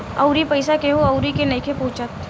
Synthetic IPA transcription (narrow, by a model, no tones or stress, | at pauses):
ɐ̰ʊɾipɐɪsakeɦoɐʊɾikenɐɪkʰepʊ̃ːt͡ʃət̪